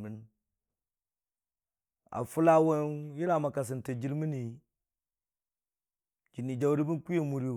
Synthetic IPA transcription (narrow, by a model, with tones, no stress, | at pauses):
mi˨n | a̰˨fu˦la˦wo˦nji˦ɾa˦˨ma˨ka˨s̬i˨nte˨d͡ʒi˦ɾmi˦ni˨ | d͡ʒi˨nːi˨d͡ʒa˨wɾi˦bi˦n˦ku˦e˦mu˨ɾi˦˨